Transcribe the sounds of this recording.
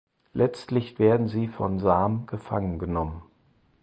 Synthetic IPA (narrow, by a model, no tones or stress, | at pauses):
lʔɛt͡stlɪçv̥eːɐdn̩ziːfɔnzaːmɡ̥əfaŋənɡənɔmən